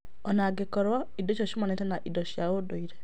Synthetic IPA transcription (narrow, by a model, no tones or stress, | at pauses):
ɔnaɡekɔɾwaidot͡ʃɔʃumanetɛnaʔidoʃjawodoiɾe